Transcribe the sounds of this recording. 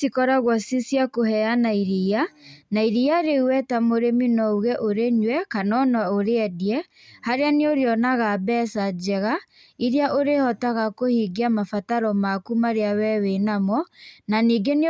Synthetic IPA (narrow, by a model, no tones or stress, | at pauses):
sikɔɾaɣwɔsisjakoɦɛanaiɾianaiɾiaɾeuwɛtamoɾeminɔuɣɛʔoɾeɲwɛkanɔnɔoɾeɛdiɛ | haɾeaneoɾeɔnaɣabɛːsad͡ʒɛɣa | iɾeaʔoɾehɔtaɣakohiɡiamafataɾɔmakumaɾeawɛwenamɔnaniːɡen